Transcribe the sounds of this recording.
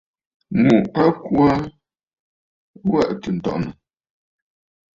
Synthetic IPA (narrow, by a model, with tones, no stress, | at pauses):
mu˨a˦ku˦a˦ | wa˦ʔtə˨n̩˨tɔ̰˨ʔnə˨